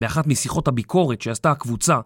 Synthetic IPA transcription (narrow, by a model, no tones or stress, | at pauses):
meaχat̪misiχo̞thabikʰo̞ʁet̪ʃeast̪aakvut͡sa